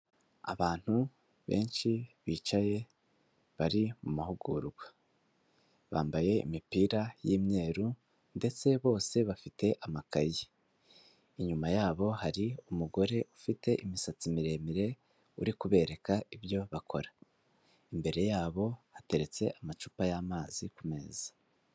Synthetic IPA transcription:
a̰βaːn̥hu | βe̞̰ːnʃiβiːt͡ʃaje̞ | βaɾimumahuɡuɾuɡwa | βa̰ːmbaje̞ḭmipiːɾajiːmɲe̞ːɾu | nde̞t͡se̞βo̞ːse̞βafite̞ʔamakaji | iɲumajaːβo̞haɾiumuɡo̞ɾe̞ʔufite̞ʔimisat͡simiɾe̞miɾe̞ | ṵɾikuβe̞ɾe̞kaiβjo̞βakʰo̞ɾa | imbe̞ɾe̞jaːβo̞hate̞ɾe̞t͡se̞ʔamat͡ʃupajaːmaːzikume̞̰ːz̥ḁ

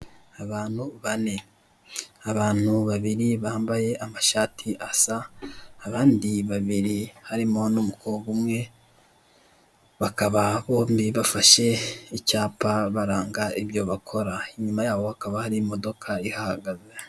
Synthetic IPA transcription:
aβaːn̥huβane̞ | aβaːn̥huβaβiɾiβaːmbaje̞amaʃaːtʰiʔasaː | βaːndiβaβiɾihaɾimo̞nomukoɡumŋe̞ | βakaβaβo̞ːmbiβafaʃe̞icaːpaβaɾaːŋɡaiβjo̞βakʰo̞ɾaiɲumajaːβo̞hakaβahaɾiːmo̞do̞kʰaihahaɡaze

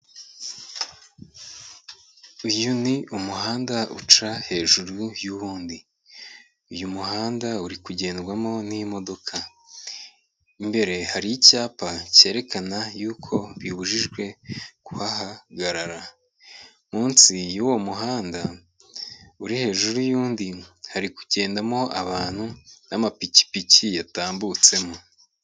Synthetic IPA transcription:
ujuniumuɦaːndaṵt͡ʃahe̞ːʒuɾujuβuːndi | ujumuɦaːndauɾikuɟe̞ːnɾɡwamo̞nimo̞do̞kʰa | imbe̞ɾe̞haɾijicaːpace̞ːɾe̞kanajuːkʰo̞βjuβuʒiʒɡwe̞kuhahaɡaɾaɾa | muːnsijuwo̞muɦaːnda | uɾihe̞ːʒuɾujuːndihaɾikuɟe̞ːndamo̞ʔaβaːn̥hunamapici̥picijataːmbut͡se̞mo

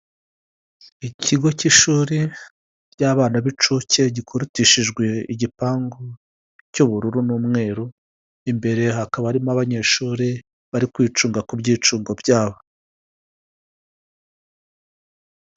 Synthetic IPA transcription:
icʰiɡo̞ciʃuːɾi | ɟaːβaːnaβit͡ʃuce̞ɟikʰoɾutiʃiʒɡwe̞iɟipaːŋɡo | cuβuɾuɾunuːmŋe̞ːɾu | imbe̞ɾe̞ɦakaβaɾimaβaɲe̞ːʃuːɾi | βaɾikwiːt͡ʃuːŋɡakubɟiːt͡ʃuːŋɡo̞bjaːβo

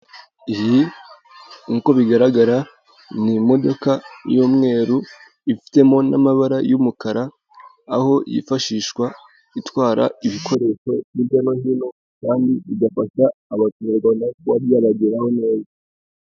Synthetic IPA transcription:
ihi | ŋko̞βiɡaɾaɡaɾa | nimo̞do̞kajoːmŋe̞ːɾu | ifi̥te̞mo̞na̰maβaɾajumukaɾaː | ho̞jḭfaʃiːʃwa | itwaːɾa̰iβikʰo̞ɾe̞ʃo̞βjiβɟano̞ɦino̞ | kaːndiʔiɡafaʃaːβatuuɾɡanakuβaɾjaɾaɟiɾaho̞ne̞ːza

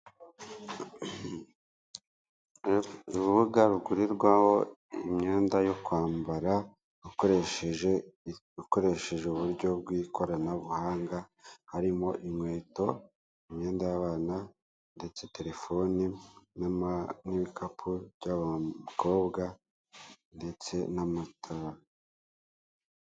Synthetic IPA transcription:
uβuβuɡaβuɡuɾiɾɡwaho̞imɲe̞ːndajo̞kwaːmbaɾa | ueʃʒ | uko̞ɾe̞ʃe̞ʒeuβuɾɟo̞b̚ɡwiːko̞ɾanaβuhaːŋɡahaɾimo̞ʔimŋwe̞ːto̞ | imɲe̞ːndajaβaːna | nde̞t͡se̞te̞ɾe̞fo̞ninniβikʰapʰubɟaβakʰo̞ːβɡa | nde̞t͡se̞namatʰoːɾa

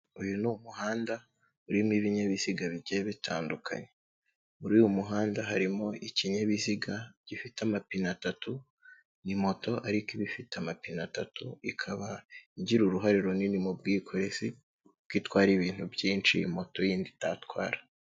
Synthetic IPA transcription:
ujunumuɦaːnda | uɾimiβiɲaβiz̥iɡaβiɟeβitʰa̰ːndukʰa̰ɲe | uɾiwumuɦaːndaɦaɾimo̞ʔiciɲaβiziɡaɟ̥ifitamapinatatu | nimo̞to̞ʔaɾikiβifitamapinatatuikʰaβaiɲɟiɾuɾuɦaɾiɾoninimubɡiːkʰo̞ɾe̞si | b̚ɡiːtwaːɾiβiːn̥hubjiːnt͡ʃḭːmo̞to̞jiːnditatwa̰ːɾḁ

